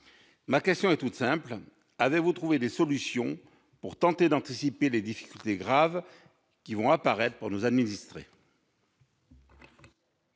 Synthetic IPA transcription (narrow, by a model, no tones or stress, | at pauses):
makʲɛst̪jɔ̃ɛt̪ut̪sɛ̃pl | avevut̪χuved̪esɔlysjɔ̃ | puʁt̪ɑ̃t̪ed̪ɑ̃t̪isipeled̪ifi̥kʲylt̪eɡʁav | kʲivɔ̃apaʁɛt̪χpuʁnuzad̪minist̪χḛ